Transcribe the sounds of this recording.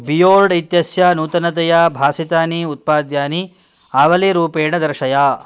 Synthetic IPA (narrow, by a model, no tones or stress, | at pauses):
bijoːlɖit̪jɐsjɐnuːt̪ɐnɐt̪̬ɐjabʱaːsit̪aːniut̪̚paːd̪jaːni | aːʋɐliɾuːpeːɳɐd̪ɐɾʃɐjaː